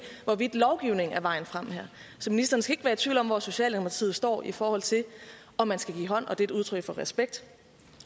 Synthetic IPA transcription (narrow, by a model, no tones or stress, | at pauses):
ʋɒʋid̥lɒʊɡ̥iʊne̝ŋ̩æɐʋɑ̈ɪ̰n̩fʁam̰hæɐ̰ | sɒ̽minisd̥ɐnəsɡ̥æe̝ɡ̥ʋæːɐt͡sʰʋiʊlɒ̽mʋɒso̝ɕɛ̰ːldenopʰɑt͡sʰḭð̩ˠsd̥ɒ̰ːifɒːhɒ̽l̰t͡sʰe̝l | ɒ̽mːænsɡ̥æɡ̥ḭːɦɒ̽n̰ɒ̽d̥e̝duð̞ˠt͡sʰʁœɡ̥fɒ̽ʁɛsb̥eɡ̥̚d̥